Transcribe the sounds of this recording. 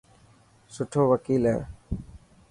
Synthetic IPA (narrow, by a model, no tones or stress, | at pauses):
sʊʈʰoːʋəkiːlɦḛ̃ː